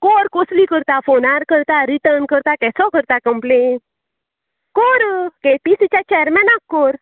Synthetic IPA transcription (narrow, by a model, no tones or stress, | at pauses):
kɔɾkoslikəɾt̪afonaɾkəɾt̪aɾiʈəɾnkəɾt̪akɛsɔkəɾt̪akəmplen | kɔɾkepisit͡ɕat͡ɕɛjəɾmɛnakːɔɾ